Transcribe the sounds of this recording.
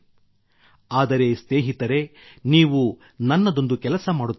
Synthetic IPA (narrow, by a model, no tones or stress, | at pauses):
aːd̪ɐɾe̞sneːɦit̪ɐɾe̞niːʋu | nɐnːɐd̪o̞nd̪ukɛlɐsɐmaːɽut̪ː